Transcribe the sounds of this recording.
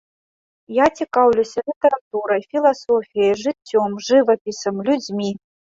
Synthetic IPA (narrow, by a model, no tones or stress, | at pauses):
jat͡sʲikawlʲusʲɐlʲit̪ɐɾat̪uɾɐjfʲilˠasɔfʲijɐjʐɨt͡sʲːɔmʐɨvɐpʲisɐmlʲud͡zʲmʲi